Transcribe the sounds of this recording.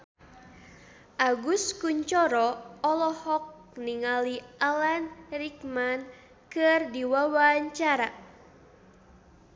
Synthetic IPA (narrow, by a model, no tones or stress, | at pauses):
ʔaɡuskuɲt͡ʃɔɾɔɔlɔhɔk̚niŋaliʔalanrikman | kɨrdiwawaɲt͡ʃaɾa